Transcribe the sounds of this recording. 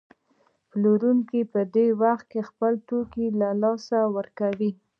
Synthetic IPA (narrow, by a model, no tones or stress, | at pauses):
ploɾuŋkipəd̪ewaxt̪̚kexpəlt̪okilalɑsawəɾkawi